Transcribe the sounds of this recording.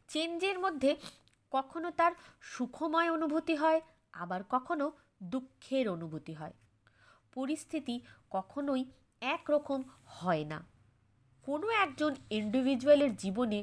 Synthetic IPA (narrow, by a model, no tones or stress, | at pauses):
t͡ɕeɲd͡ʑeɾmod̪ʱːe | kɔkʰonot̪aɾʃukʰomɔeonubʱot̪iɦɔe | a̰baɾkɔkʰono | d̪ukʰːeɾonubʱot̪iɦɔe | poɾist̪ʰit̪ikɔkʰonoj | ɛkɾɔkomhɔena̰ | konoɛk̚d͡ʑoniɳɖibʱid͡ʑualeɾd͡ʑibone